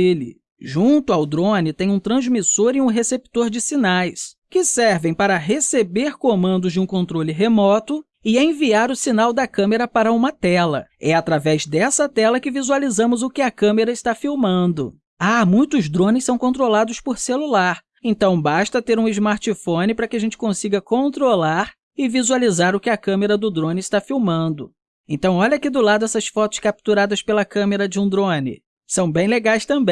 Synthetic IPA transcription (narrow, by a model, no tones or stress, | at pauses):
ilɪ̰ | ʒũnt̪ʊawd̪ɾõnɪt̪ẽj̃ũt̪ɾɐ̃zmisoɾiũɦesep̚t̪oɾd͡ʒɪsinajs | kɪsɛɾvẽj̃paɾɐɦesebeɾkomɐ̃nd̪ʊzd͡ʒɪũkõnt̪ɾolɪɦemɔt̪ʊ | ɪɛẽviaɾʊsinawd̪ɐkɐ̃meɾɐpaɾɐũmɐt̪ɛlɐ̰ɛat̪ɾavɛzd̪ɛsɐt̪ɛlɐkɪvizualizɐ̃mʊzʊkɪɐkɐ̃meɾɐɪst̪afiwmɐ̃nd̪ʊ | amũj̃t̪ʊzd̪ɾõnɪssɐ̃w̃kõnt̪̬ɾolad̪ʊspoɾselulaɾ | ẽnt̪ɐ̃w̃baʃt̪ɐt̪eɾũɪzmaɾt͡ʃifõnɪpɾɐkɪɐʒẽnt͡ʃɪ̥kõsiɡɐkõnt̪ɾolaɾ | ɪvizualizaɾʊkɪɐkɐ̃meɾɐd̪ʊd̪ɾõnɪɪst̪afiwmɐ̃nd̪ʊ | ẽnt̪ɐ̃w̃ɔʎɐakid̪ʊlad̪ʊɛsɐsfɔt̪ʊ̥skap̚t̪uɾad̪ɐspelɐkɐ̃meɾɐd͡ʒɪũd̪ɾõnɪ̰ | sɐ̃w̃bẽj̃leɡajst̪ɐ̃mbẽj̃